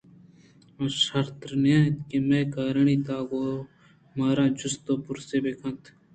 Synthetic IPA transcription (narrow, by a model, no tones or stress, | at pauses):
ɐʃəɾt̪ɾnaːkemẽːkaːɾəɳiːt̪aːɡoː | maːɾãːd͡ʒʊst̪oːpʊɾseːbeːkʰə̃nt̪ʰ